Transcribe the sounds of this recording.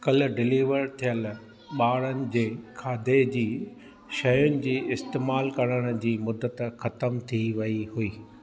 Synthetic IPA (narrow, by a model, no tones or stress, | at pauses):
kɐl̆ɖɪliːʋəɾt̪ʰijəl | ɓaːɽənɪ̆d͡ʑeːkʰaːd̪ed͡ʑiː | ʃɐjʊnɪ̆d͡ʑiːɪst̪eːmaːlkɐɽ̃əɽ̃̆d͡ʑiːmʊd̪ːət̪xɐt̪əmt̪ʰiʋɐiɦuiː